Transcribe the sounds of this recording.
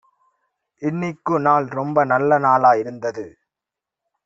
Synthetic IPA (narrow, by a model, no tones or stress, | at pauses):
ʔɪnːɪkːɯnaːlɾɔmbɐnɐlːɐnaːlaːjɪɾɯnd̪ɐðɯ